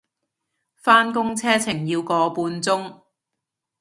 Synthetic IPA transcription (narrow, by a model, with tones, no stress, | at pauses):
faː˥nkʊ˥ŋt͡sʰɛː˥t͡sʰɪ˨˩ŋjiː˧wkɔː˨˧puː˧nt͡sʊ˥ŋ